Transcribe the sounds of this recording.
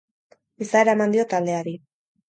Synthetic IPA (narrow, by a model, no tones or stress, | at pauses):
isaeɾae̞mand̪io̞t̪ald̪e̞aɾi